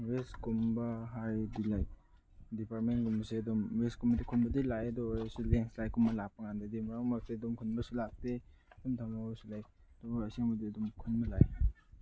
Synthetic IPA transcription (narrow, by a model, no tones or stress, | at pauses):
weskumbaɦajdilaj | dipaɾmenɡumbseɐdɔmweskumbɐdikʰunbɐdilajɐdɔsuɡeŋslajkʰumbɐlapːaŋandadimaɾaŋmak̚seɐdumkʰunbɐsulak̚te | ɐdumtʰamnabsulajdɔsaŋbɐdiɐdumkʰunbɐlaj